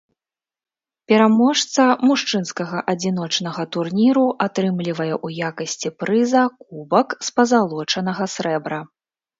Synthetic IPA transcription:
pʲɛɾamɔʂt̪sɐmuʂt͡ʂɨnskɐɣɐʔɐd͡zʲin̪ɔt͡ʂnɐɣɐt̪urnʲiɾuʔat̪ɾɨmlʲivɐjɛʔujakɐsʲt͡sʲipɾɨzɐkubɐkspɐzalˠɔt͡ʂɐnɐɣɐsɾɛbɾɐ

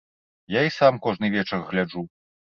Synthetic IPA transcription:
jaisamkɔʐnɨvʲɛt͡ʂɐrɣlʲad͡ʐu

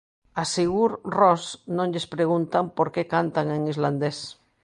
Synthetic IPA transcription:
aseɣuɾrosnõŋʎespɾeɣ̞unt̪ampoɾkekant̪aŋeŋizland̪es

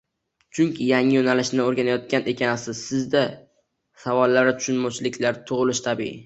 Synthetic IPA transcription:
t͡ʃʰʊŋkʲʰɪjaŋɪjonalɪʃnɪoɾɡʲanajɒt̪̚kʲanʔe̞kʲʰanɪsɪz̥sɪzd̪a | savɒlˠːaɾɪt̪ʰʊ̥ʃʊnmɒwt͡ʃʰɪlɪkʲlaɾt̪ʰʊʁlɪʃt̪ʰabḭɪ

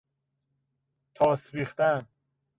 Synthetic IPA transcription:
t̪ʰɒːsbiːxt̪æn

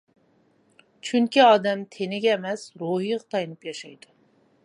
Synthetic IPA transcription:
t͡ʃʰyŋkʲiɑːd̪ɛmt̪ʰenɪɡʲɛːmɛsɾoɦijʁɑt̪ʰɑjnɨpjɑʃɑjd̪̥u

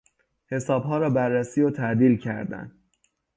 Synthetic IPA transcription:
he̞sɒːbɦɒːɾɒːbærːæsiːot̪ʰæʔd̪iːlcʰæ̰ɾd̪æ̰n

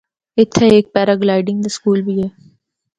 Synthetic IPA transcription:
ɪt̪ʰːeeːk̚pɛːɾəɡlaːɪɖɪ̃ŋɡd̪əskuːlbʱiɦɛː

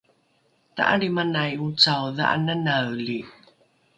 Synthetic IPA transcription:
t̪a̰ʔa̰ɾimanajut͡sawða̰ʔa̰nanawli

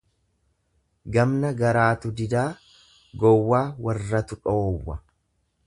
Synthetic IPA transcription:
ɡɐmnɐɡɐɾaːt̪ʊd̪ɪd̪aː | ɡɔwːaːwɐrːɐt̪ʊᶑoːwːɐ

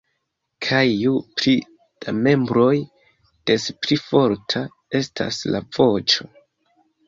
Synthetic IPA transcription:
kʰajjupɾi | d̥ame̞mbɾo̞j | d̥e̞spɾifo̞ɾtʰa | e̞stʰa̰sla̰v̥o̞t͡ʃo̞

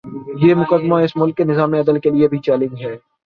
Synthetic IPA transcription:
jeːmʊkəd̪maɪsmʊlkːenɪzaːmẽɐd̪əlkeliebʱit͡ʃɛːlɪ̃ŋd͡ʒɦɛː

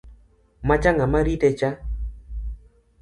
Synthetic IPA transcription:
mat͡ʃaŋamaɾitɛt͡ʃa

